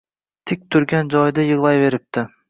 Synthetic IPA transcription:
t̪ʰɪk̚ʲt̪ʰʊɾɡʲand͡ʒɒjd̪ajɨʁlˠajve̞ɾɪp̚t̪ʰɪ

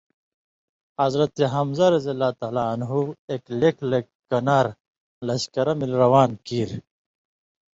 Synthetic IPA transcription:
ɐzɾɐt̪eɦɐmzɐɾɐzɐlːaːt̪aːlanɦueːklekle | kːɐnaːɾ | lɐɕkɐɾɐmilɾɐwaːnkiːɾ

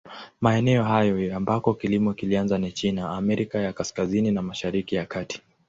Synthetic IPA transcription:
maɛnɛɔɦajɔambakɔkilimɔkilianzanit͡ʃinaːmɛɾikajakaskazininamaʃaɾikijakati̥

